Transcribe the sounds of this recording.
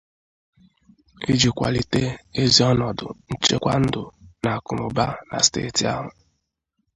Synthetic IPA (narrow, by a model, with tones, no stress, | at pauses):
e˦d͡ʒi˨kʷa̰˨li˨te˦e˦zi˦ɔ˦nɔ˨dʊ̰˨n̩˦t͡ʃe˦kʷa˦n̩˦dʊ˨na˨kʊ˨ɾʊ˨ba˦na̰˨stḛː˦˨ti˨a˦ɦʊ˨